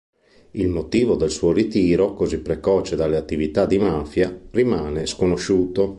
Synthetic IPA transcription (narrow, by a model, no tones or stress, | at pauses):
ilmot̪iːvod̪elsuːoɾit̪iːɾokozipːɾekɔːt͡ʃed̪alːeat̪ːivit̪ad̪imafjarimaːneskonoʃuːt̪o